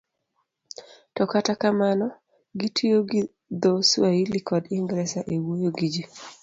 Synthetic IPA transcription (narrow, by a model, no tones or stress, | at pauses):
tɔkatakamanɔ | ɡitʰijoɡi | d̪ɔswailikɔdiŋɡɾɛsaʔewojoɡid͡ʒi